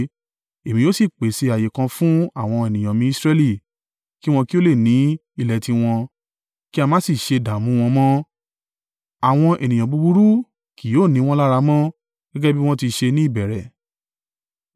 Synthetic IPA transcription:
e˨mĩ˧jo˨˦si˦˨k͡pe˨˦se˧˦a˨je˨kã˧fũ˦a˦˨w̃ɔ̃˧e˨nĩ˨j̃ã˨mĩ˧i˦sɾɛ˦li˦˨ | ki˦w̃ɔ̃˧ki˦o˦le˦˨nĩ˨˦ | i˧˨lɛ˨tĩ˧w̃ɔ̃˧ | ki˦a˧mã˦si˦˨ʃe˧da˨mũ˨˦w̃ɔ̃˧mɔ̃˦ | a˨w̃ɔ̃˧ʔe˨nĩ˨j̃ã˨bu˧bu˧ɾu˦ | ki˨˦joː˦˨nĩ˨˦w̃ɔ̃˦la˦ɾa˧mɔ̃˦ | ɡ̥ɛ˦ɡɛ˦bi˦w̃ɔ̃˦ti˧ʃe˧nĩ˦˨bɛ˨ɾɛ˨

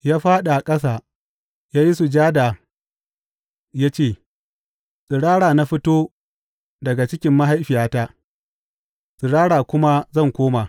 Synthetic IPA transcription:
jaː˦ɸaː˦ɗa˨a˨kʼɐ˦saː˨ | jaː˦ji˦su˨d͡ʒaː˦da˨ | jaː˦t͡ʃeː˦˨ | sʼɪ˨ɽaː˦ɽaː˨na˦ɸɪ˦toː˦ | dɐ˨ɡa˨t͡ʃɪ˦kʲɪ˦mːa˦ɦa˦jɸɪ˨jaː˦taː˦ | sʼɪ˨ɽaː˦ɽaː˨kʷʊ˦ma˦zɐ˦˨ŋkʷoː˦maː˨

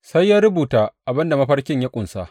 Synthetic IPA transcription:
sa˦jːaː˦ɾʊ˦buː˨taː˦ʔa˨bɪ˦nda˨mɐ˦ɸɐ˦rkʲɪ˦ɲja˦kʷʼʊ˨nsa̰˦ʔ

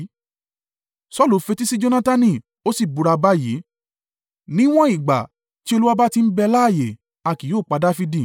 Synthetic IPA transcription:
sɔ˦˨lu˨fe˧ti˦si˦d͡ʒo˧nã˦ta˧nĩ˧˨ | o˦si˦˨bu˨˧ɾa˧ba˦ji˨˦ | nĩ˦w̃ɔ̃˦i˦˨ɡ͡ba̰˨ | ti˦o˧lu˦a˦ba˦ti˧n̩˦bɛ˧laː˦˨je˨ | a˨ki˨joː˦˨k͡pa˧da˦fi˧di˦˨

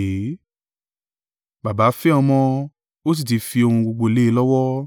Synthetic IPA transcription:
ba˨ba˨˦fɛ˦ɔ˧mɔ̃˧ | o˦s̬i˦˨t̬i˨˧fi˧o˧hũ˧ɡ͡bo˧ɡ͡bo˧i˧˦le˦e˦lɔ˦wɔ˦

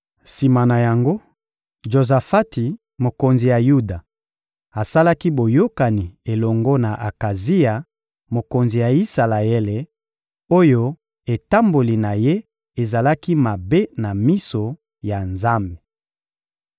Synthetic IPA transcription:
si˨ma˨na˨ja˨ŋɡo˦ | ʒo˨za˨fa˦ti˨ | mo˨ko˨nzi˨ja˨ju˦da˨ | a˨sa˦la˦ki˦bo˨jo˦ka˨ni˨e˨lɔ˨ŋɡɔ˦na˨ʔa˨ka˨zi˦a˨ | mo˨ko˨nzi˨ja˨i˦sa˨la˨e˦le˨ | o˦jo˦ | e˨ta˦mbo˨li˨na˨je˦ | e˨za˨la˦ki˦ma˨be˦na˨mi˦so˨ | ja˨nza˦mbe̥˨

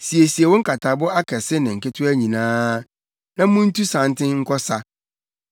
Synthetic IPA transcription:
si˨e˨si˨e˨wɔ̃˦ŋ̩˦kʰa˨tʰa˨bʊ˦a˦kʰɛ˨sɪ˦nɪ̃˨ŋ̩˨kɪ˦tʰʊ˦æ˦ɲĩ˨nãː˦ | nã˦mʊ̃˦n̩˦tʰu˦sã˨˦n˦tʰɪ̃˦ŋ̩˦kʰɔ˦sa˦

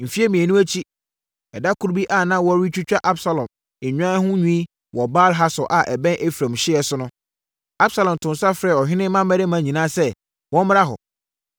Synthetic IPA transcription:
m̩˨fi˦ɛ˦mĩ˨ɛ˨nũ˦æ˦t͡ɕʰi˦ | ɛ˨da˦kʰu˦ɾbi˦ʔa˨nã˦wɔ˦ɾi˦t͡ɕᶣu˦t͡ɕᶣa˦ʔa˦bsa˨lɔ̃˨m | e˨ɲᶣ˦ã˦hʊ̃˦ɲũ˦i˦ | wɔ˨baː˦lɦa˦sɔ˨ʔa˨ʔɛ˨bɛ̃˦nʔe˦fɾã˨mɕɪ˦ɛ˨sʊ˦nʊ̃˦ | a˦bsa˨lɔ̃˨mtʰʊ̃˨nsa˦fɾɛ˦˨ɔ˨ɦᶣɪ̃˦nɪ̃˦mã˦mæ˦ɾe˦mã˨ɲĩ˨nãː˦sɛ˦ | wɔ̃˦m˦m˦ɾa˦ɦɔ̰˨

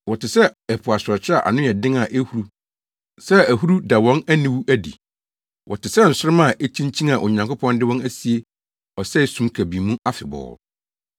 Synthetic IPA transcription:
wɔ˨tɪ˨sɛ˦ɛ˨pʰʊ˨a˨sɾɔ˨t͡ɕʰɪ˦a˨ʔa̰˨nʊ̃˦ɛ˨dɪ̃˦ŋa˨ʔe˦hu˨ɾu˦ | sɛ˦æ˨ɦu˦ɾu˦da˨wɔ̃˦næ˦nĩ˨wu˦ʔæ˦dḭ˨ | wʔɔ˨tʰɪ˨sɛ˦n̩˨sʊ˦ɾɪ˦mã˦˨ʔe˦t͡ɕʰĩ˦ɲ˦t͡ɕʰĩ˦na˨ʔʊ˨ɲã˨ŋkʰʊ˦pʰɔ̃˦ndɪ˦wɔ̃˦næ˦si˨e˦ | ɔ˨sɛ˦i˨˦sũ˦mkʰæ˨bi˨mũ˦a˦fɪ˨bɔ̰ː˨

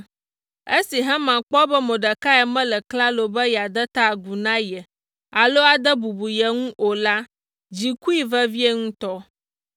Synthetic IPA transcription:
e˦si˨ɦɛ̃˦mã˨k͡pɔ˦bɛ˦mõ˨ɖə˨ka˦ɛ˨mɛ̃˦lə˨kla˦lo˨bə˦jɛ˨a˨d̪ə˦t̪a˦˨ɡu˨nã˦jɛ˨ | a˨lo˦a˨d̪ə˦bu˨bu˨jɛ˨ŋũ˦ʔo˨la˦ | d͡ʑi˨ku˦i˨və˦vi˦ɛ˦ŋũ˦t̪ɔ˦

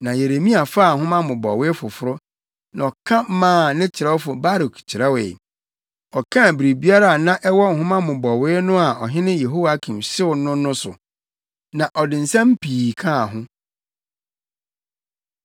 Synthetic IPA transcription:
nã˨je˨ɾe˨mĩ˦a˨fa˦˨ŋ̩˨hʊ̃˦mã˦mʊ̃˨bɔ˨wɪ˦fʊ˨fʊ˦ɾʊ˦ | nã˨ɔ˨kʰã˦m˦mãː˦˨nɪ̃˦t͡ɕʰɪ˨ɾɛ˦wfʊ˨ba˦ɾkʰi̥˨t͡ɕʰɪ˨ɾɛ˦wḛ˨ | ɔ˨kʰã˦˨bɾi˨bi˦a˦ɾa˨nã˦ʔɛ˦wɔ˦ŋ̩˨hʊ̃˦mã˦mʊ̃˨bɔ˨wɪː˦nʊ̃˦a˨ɔ˨ɦɪ̃˦nɪ̃˦je˨ɦo˦wa˦kʰĩ˨mɕɪ˦ʊ˨nʊ̃˦nʊ̃˦sʊ˨ | nã˨ʔɔ˨dɪ̃˨n̩˨sã˦m̩˦pʰiː˨kʰã˦˨ɦʊ̃˦

